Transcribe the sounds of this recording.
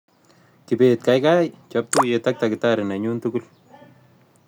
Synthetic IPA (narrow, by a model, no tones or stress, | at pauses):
kipet̪̚kajkajt͡ʃap̚t̪ujetak̚t̪akɪtaɾɪnaɲuːntukul